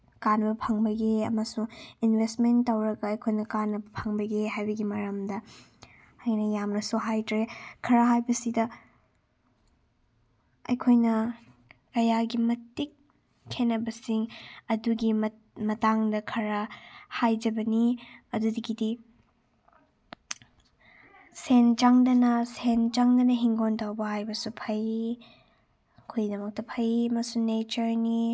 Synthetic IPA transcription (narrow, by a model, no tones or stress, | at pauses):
kanbɐpʰɐŋbɐɡeɐmɐsuŋinbʱestmentːɐwɾɐɡɐːjkʰojnɐkanːɐbɐpʰɐŋbɐɡeɦajbɐɡimɐɾɐmdɐː | jnɐjamnɐsuɦajtɾekʰɐɾɐɦajbɐsidɐ | ɐ̰jkʰojnɐ | kɐjaɡimɐtikʰː | enːɐbɐsiŋɐduɡi | mɐtaŋdɐkʰɐɾɐhajd͡ʒɐbɐniɐdudɐɡidi | sent͡ʃaŋdɐnɐsent͡ʃaŋdɐnɐɦiŋɡontɐwbɐhajbɐsupʰɐj | kʰojdɐmɐk̚tɐpʰɐjmɐsunet͡ʃɐɾni